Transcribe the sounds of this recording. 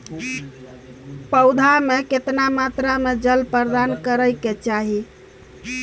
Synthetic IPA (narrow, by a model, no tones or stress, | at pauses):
pəʊd̪ʱameket̪namat̪ɾamed͡ʒəlpəɾd̪ankəɾəjket͡ʃaɦi